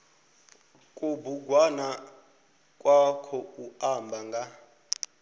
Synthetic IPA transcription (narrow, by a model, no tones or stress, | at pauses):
kʼubuɡʱwana | kʼwakʰɔuambʱaŋɡa